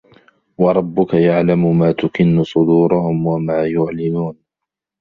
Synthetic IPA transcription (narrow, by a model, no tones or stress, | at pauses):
wɑɾˤɑbːʊkajaʕlamʊmaːt̪ʊkɪnːʊsˤʊd̪uːɾʊhʊmwamaːjʊʕlɪmuːn